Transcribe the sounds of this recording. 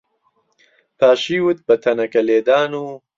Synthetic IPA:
pʰaːʃiːwut̪̚bɐt̪ʰɐnɐkɐleːd̪aːnu

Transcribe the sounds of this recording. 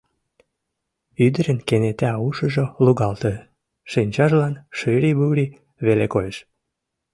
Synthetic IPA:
yd̪ə̆ɾə̆nkenet̪æuʃə̆ʒoluɣɑlt̪ɤ | ʃinʲt͡ɕɑʒlɑnʃyɾiβuɾi | βelekojəʃ

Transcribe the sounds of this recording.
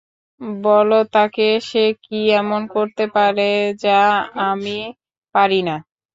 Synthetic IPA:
bɔlot̪akeʃekiɛmonkoɾt̪epaɾed͡ʑaami | paɾina

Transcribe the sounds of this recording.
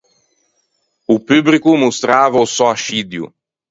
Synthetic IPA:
upyblikumust̪ɾaːvausɔaʃid̪jṵ

